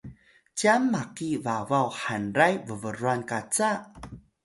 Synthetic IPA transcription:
t͡ɕiamːakivavawħanɾajvəvəɾuankat͡sa

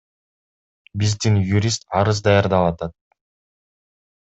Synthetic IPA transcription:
bizd̪injuɾʲist̪ɑɾɯzd̪ɑjɑɾd̪ɑlˠɑt̪ɑt̪̚

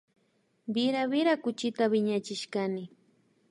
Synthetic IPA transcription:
bɪɾaβɪɾakʊt͡ʃɪt̪aβɪɲat͡ʃɪʃkanɪ

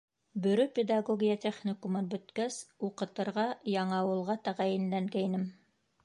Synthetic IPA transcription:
bɵ̆ɾɵpʲed̪ɑɡoɡʲijat̪ʲeχnʲikumɤnbɵ̆t̪kæsuqɤ̆t̪ɤ̆ɾʁɑjɑɴɑɑwɤ̆lˠʁɑt̪æʁæjɘ̆nlæŋɡæinɘm

